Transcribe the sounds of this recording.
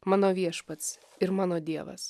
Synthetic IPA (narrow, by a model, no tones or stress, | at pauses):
mɑːnoːʋʲiɛʃpɐt̪s | ɪɾmɑːnoːd̪ʲiɛʋɐ̰s